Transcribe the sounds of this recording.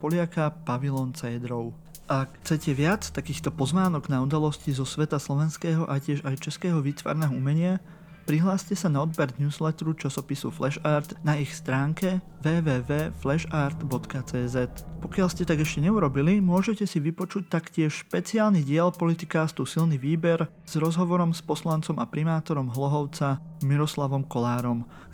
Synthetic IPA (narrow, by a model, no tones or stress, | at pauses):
pɔlɪakapaʋilɔːnt͡sɛjd̪ɾɔʊ | ʔakxt͡sɛcɛʋɪat͡st̪akiːxt̪ɔpɔznaːnɔɡnaud̪alɔscizɔsʋɛt̪aslɔʋɛnskɛːɦɔʔacɪɛʒajt͡ʃɛskɛːɦɔʋiːt̪ʋa̰ːɾnɛːɦɔumɛɲɪa | pɾiɦlaːscɛsanaɔd̪bɛɾnjuːzlɛt̪ɾut͡ʃasɔpisṵflɛʃaːɾt̪naixst̪ɾaːŋkɛʋɛːʋɛːʋɛːflɛʒaːɾt̪bɔt̪kat͡sɛːzɛt̪pɔkɪalscɛt̪aɡɛʃcɛɲɛuɾɔbilimʊɔʒɛcɛsiʋipɔt͡ʃuc̚t̪akcɪɛʃʃpɛt͡sɪaːlniɟɪɛlpɔlit̪ikast̪uːsilniʋiːbɛɾ | z̥ɾɔzɦɔʋɔɾɔmspɔslant͡sɔmapɾimaːt̪ɔɾɔmɦlɔɦɔʊt͡samiɾɔslaʋɔmkɔlaːɾɔm